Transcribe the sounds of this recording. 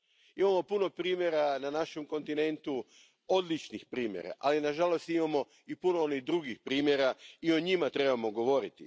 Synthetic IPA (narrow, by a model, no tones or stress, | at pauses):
imamo̞puno̞pɾiːmʲje̞ɾananaʃe̞mko̞nt̪ine̞nt̪u | o̞d̪lit͡ʃnixpɾiːmjḛɾa̰ʔalinaʒalo̞st̪imamo̞ | ipuno̞oniɣd̪ɾuɡixpɾiːmje̞ɾaio̞ɲimat̪ɾe̞bamo̞ɡo̞ʋo̞ɾit̪i